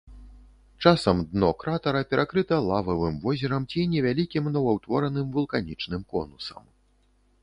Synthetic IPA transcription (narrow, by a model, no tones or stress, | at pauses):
t͡ʂasɐmd̪nɔkɾat̪ɐɾɐpʲɛɾʔakɾɨt̪ɐlˠavɐvɨmvɔzʲɛɾɐmt͡sʲinʲɛvʲalʲikʲimnɔvɐwt̪vɔɾɐnɨmvulˠkanʲit͡ʂnɨmkɔ̰nusɐ̰m